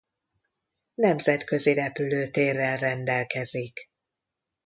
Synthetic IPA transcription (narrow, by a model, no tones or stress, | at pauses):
nɛmzɛt̪kø̞ziɾɛpyløːt̪eːrːɛlrɛnd̪ɛlkɛzik